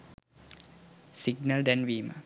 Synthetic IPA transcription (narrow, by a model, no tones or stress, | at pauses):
siɡnɐld̪ɛnʋiːmə̰